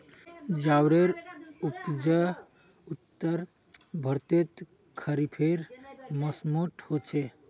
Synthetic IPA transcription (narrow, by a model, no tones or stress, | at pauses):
d͡ʒawɾeɾupd͡ʒə | ut̪ːəɾ | bʱəɾt̪et̪ | kʰəɾipʰeɾməsmoʈhot͡ʃʰe